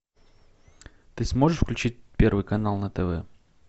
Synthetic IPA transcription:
t̪ɨsmo̞ʐɨʂfklʲʉt͡ɕit̚ʲpʲervɨjkɐnalˠnət̪ɛvɛ̰

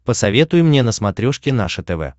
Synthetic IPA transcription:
pəsɐvʲe̞t̪ʊjɪmnʲenəsmɐt̪ɾʲoʂkʲɪna̰ʂɨt̪ɛvɛ̰

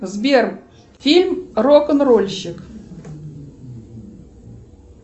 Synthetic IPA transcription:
zbʲerm | fʲilʲmrokənrolʲɕɪk

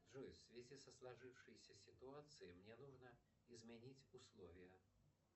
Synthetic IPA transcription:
ʐujsvʲezʲisɐslˠaʐɨwʂɨjsʲɐsʲit̪uat̪sɨjimnʲɛnuʐnɐ | izʲmʲɛnʲit͡sʲuslˠɔvʲijɐ

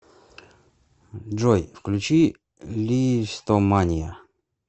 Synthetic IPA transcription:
ʐojfklʲʉt͡ɕi | lʲist̪omanʲijə

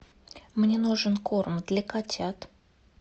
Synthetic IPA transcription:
mnʲenuʐɨnkormd̪lʲəkatʲat̪

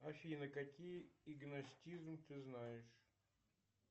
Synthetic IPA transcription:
afʲɪnəkɐkʲijɪɡnɐsʲtʲizmt̪ɨznajɪʂ

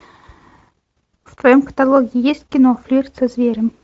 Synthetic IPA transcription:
ft̪vɐjomkə̥t̪alˠoɡʲɪɪjesʲtʲkʲɪnoflʲyɾʲt̪sɐzʲvʲeɾʲəm

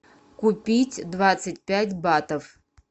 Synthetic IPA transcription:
kupʲitʲd̪vat̪sɨtʲpʲætʲbat̪əf

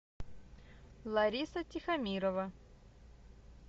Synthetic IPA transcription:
lˠɐɾʲisɐtʲixɐmʲiɾovɐ

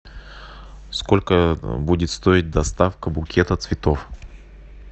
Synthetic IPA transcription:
skolʲkəbudʲɪt̪st̪oɪt̚ʲd̪ɐst̪afkəbʊkʲʰet̪ət̪svʲɪt̪of

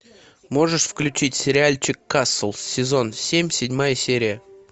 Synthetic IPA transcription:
mo̞ʐɨʂfklʲʉt͡ɕitʲsʲɪɾʲɪalʲt͡ɕɪkːasəlˠsʲɪzo̞nsʲemʲsʲɪdʲmajəsʲeɾʲɪjə

